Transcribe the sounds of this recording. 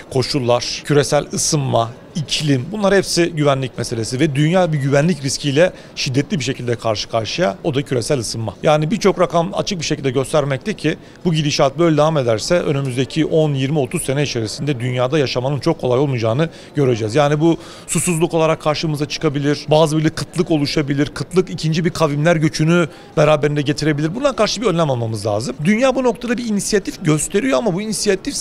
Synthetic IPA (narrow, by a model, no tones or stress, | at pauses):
kʰo̞ʃulˠːaɾ̥cʰyɾe̞sælʲɯsɯnma | icʰlʲimbunlˠaɾhɛpsiɟyvænlʲicmɛse̞lʲesivɛd̪ynjaːbiɟyvænlʲicɾiscʰijlʲɛ | ʃid̪ːɛt̪lʲibiʃe̞cʰilʲd̪ɛkʰaɾʃɯ̥kʰaɾʃɯjao̞d̪acʰyɾe̞sælʲɯsɯnmajaːnibiɾt͡ʃʰo̞kɾakama̰t͡ʃʰɯk̚biʃecʰilʲd̪ɛɟø̞st̪ʰæɾmɛc̚t̪ʰɛcʰi | buɟilʲiʃaːt̪̚bø̞jlʲɛd̪avame̞d̪æɾsɛø̞̰nymyzd̪ecʰiʔo̞njiɾmio̞t̪uzse̞nɛit͡ʃʰe̞ɾisind̪ɛd̪ynjaːd̪ajaʃamanɯnt͡ʃʰo̞kʰːo̞lˠajolˠmud͡ʒaːnɯ | ɟ̥ø̞ɾe̞d͡ʒɛzjaːnibu | susuzlˠukʰo̞lˠaɾakʰːaɾʃɯmɯzat͡ʃʰɯ̥kʰabilʲiɾ̥baːzɯbiɾlʲikʰːɯt̪ʰlˠɯko̞lˠuʃabilʲiɾkʰɯt̪lˠɯkicʰind͡ʒibiɾkʰavimlʲæɾɟøt͡ʃʰyny | beɾaːbe̞ɾind̪ɛɟe̞t̪ʰiɾe̞bilʲiɾbund̪ankaɾʃɯbiønlʲːæmalˠmamɯzlʲa̰ːzɯmd̪ynjaːbuno̞k̚t̪ʰad̪abiinisijat̪ʰifɟø̞st̪ʰe̞ɾijo̞amabuinisijat̪ʰif